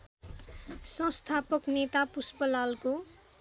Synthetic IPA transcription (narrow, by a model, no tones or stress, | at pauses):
sʌ̃st̪ʰapʌknet̪apuspʌlalko